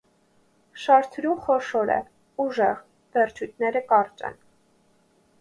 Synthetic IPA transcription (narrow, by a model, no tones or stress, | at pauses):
ʃɑɾt̪ʰɾumχɔʃɔɾɛ̰ | uʒɛʁ | vɛɾt͡ʃʰujt̪ʰnɛɾəkɑɾt͡ʃɛ̰n